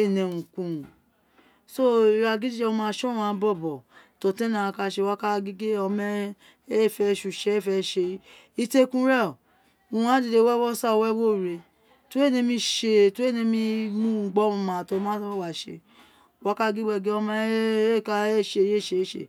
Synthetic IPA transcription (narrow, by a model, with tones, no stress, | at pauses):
e˦˨nẽ˨ũ˨kũ˧˨ | so˦˨i˨ɾa˧ɡi˦d͡ʒi˦d͡ʒɛ˧˦õ˧˦mã˦˧˦ʃɔ˦wã˨˦˨bɔ˦˨bɔ˨to˨tɛ̃˦nã˨˧ka˧ʃe˧wa˦ka˦ɡi˦ɡe˦ɔ˧mɛ˦ | e˦˨fɛ˧ʃu˨ʃe˧˦e˦˨fɛ˧ʃe˧˦ | i˧te˦kũ˦ɾɛ˦˨ | u˨˧˨ã˦di˨de˧˦wɛ˦wɔ˦sa˦˧wɛ˦wo˦˨ɾe˧ | to˦e˦˨nẽ˧˦mĩ˧ʃe˧to˦e˦˨nẽ˧mĩ˧˦mũ˦ŋ͡m̩˨ɡ͡bɔ˦ũ˧mã˨to˧˦mã˦wa˨ʃḛ˧ | wa˧˦ka˦ɡi˦ɡ͡bɛ˧˨ɡe˦ɔ˧mɛ˦e˦˨ka˧e˦˨ʃe˧˦je˦˨ʃe˧˦ʃḛ˧˨